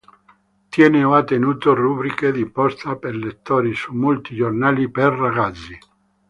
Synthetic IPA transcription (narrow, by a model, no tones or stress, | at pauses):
t̪jɛːneoat̪ːenuːt̪orubɾiked̪ipɔst̪apeɾlet̪ːoːɾisumːult̪id͡ʒornaːliperraɡat̪sːi